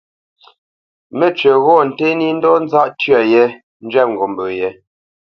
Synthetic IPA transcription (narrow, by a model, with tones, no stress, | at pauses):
me˦t͡ʃɥə˨ɣɔ˦˨n̩˨te˦ni˦n̩˦dɔ˦n̩˦za˦ʔtɥa˨je˦ | n̩˦d͡ʒɥɛ˦˨p̚ŋ˨ɡo˨m˨bə˨je˨˦